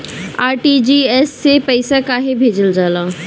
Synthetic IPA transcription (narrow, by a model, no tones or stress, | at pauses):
aːɾʈid͡ʒiːɛːsːepɐɪsakaːɦebʱeːd͡ʒəld͡ʒaːlaː